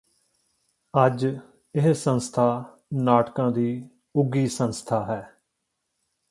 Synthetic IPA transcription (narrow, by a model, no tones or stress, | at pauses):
əd͡ʒ | ɪɦsə̃nst̪ʰaː | naːʈkãːd̪iː | ʊɡiːsənst̪ʰaːɦɛː